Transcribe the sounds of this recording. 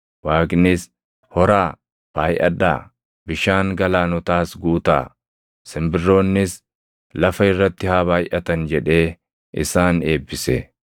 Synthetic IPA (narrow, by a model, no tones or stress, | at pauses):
waːɡnɪs | hɔɾaː | b̥aːjʔɐ̰ᶑa̰ː | bɪʃaːŋɡɐlaːnʊt̪aːsɡuːt̪a̰ː | sɪmbɪrːo̞ːnːɪs | lɐfɐɪrːɐt̪ːɪhaːbaːjʔɐt̪ɐnd͡ʒɛᶑe̞ː | ɪ̰saːne̞ːbːɪsɛ